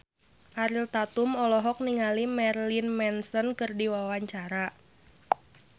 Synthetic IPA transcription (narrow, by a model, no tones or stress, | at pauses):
ʔaɾilt̪at̪umɔlɔɦɔk̚niŋalimɛrlinmɛnsɔnkɨrdiwawaɲt͡ʃaɾa